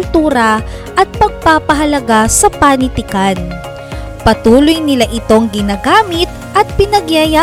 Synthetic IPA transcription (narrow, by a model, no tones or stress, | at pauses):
lt̪uːɾɐ | ʔɐt̪̚pɐɡ̚paːpɐɦɐlɐɡasɐpanɪt̪ɪkan | pɐt̪uːlojnɪlaʔɪt̪o̞ŋɡɪnaːɡaːmɪt̪̚ | ʔɐt̪̚pɪnɐɡjaja